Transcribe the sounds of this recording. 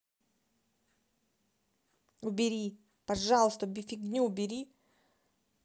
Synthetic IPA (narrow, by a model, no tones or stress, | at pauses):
ʊbʲɪɾʲi | pɐʐalˠəst̪əbʲɪfʲiɡnʲuʊbʲɪɾʲi